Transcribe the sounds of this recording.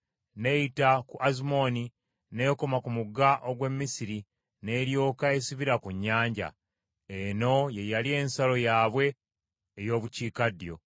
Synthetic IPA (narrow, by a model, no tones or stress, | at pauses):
ne̞itakuʔazimo̞ni | neko̞makumuɡaʔoɡwe̞mːisiɾi | ne̞ːɾjo̞ːkae̞siβiɾakuɲːaːɲɟa̰ | eno̞je̞jalie̞ːnsalo̞jaːβwe̞ː | jo̞ːβuciːkadjo̞̰